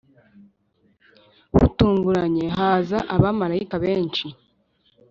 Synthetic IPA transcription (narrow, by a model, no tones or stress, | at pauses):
hṵtuːŋɡuɾaɲe̞ɦaːzaʔaβamaɾaikaβeːnt͡ʃi